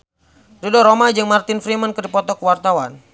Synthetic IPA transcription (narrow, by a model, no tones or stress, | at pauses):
ɾidɔɾomad͡ʒɨŋmart̪ɪnfɾimənkɨdipɔt̪ɔkəwart̪awan